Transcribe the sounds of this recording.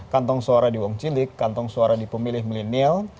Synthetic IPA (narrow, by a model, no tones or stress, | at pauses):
kant̪ɔŋsoaɾadiwɔŋt͡ʃilɪkːant̪ɔŋsoaɾadipəmilɪhməlinɛl